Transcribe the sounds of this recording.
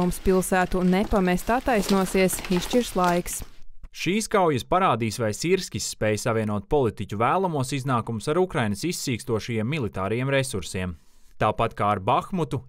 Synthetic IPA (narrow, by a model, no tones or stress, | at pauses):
umspilˠsæːt̪unɛpamɛst̪at̪ːajsnuɔsiɛsiʃt͡ʃiɾslˠajksʃiːskawjɐspaɾaːd̪iːsʋajsiɾskʲisːpɛːjsavʲiɛnuɔt̪̚pɔlˠit̪icʲuvæːlˠamuɔsiznaːkumʊsaɾukɾajnɐsisːiːkst̪uɔʃɐjiɛmːilˠit̪aːɾɐjeɛmɾesuɾsiɛm | t̪aːpat̪kaːɾbaxmut̪u